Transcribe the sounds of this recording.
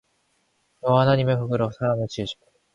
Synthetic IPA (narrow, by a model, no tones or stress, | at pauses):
oβanaɲ̟imeɸɯkɯ̟ɾosaɾanɯt͡ɕɨːɕi̥k